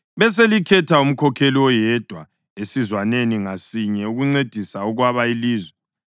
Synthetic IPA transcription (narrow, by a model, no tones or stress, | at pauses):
βɛs̬elikʰɛtʰaum̩kʰɔkʰeliwɔjɛd̥ʱwa | esizwaneniŋasiɲɛuɣuŋ͡ǀed̥ʱisauɣwaβailiːzwɛ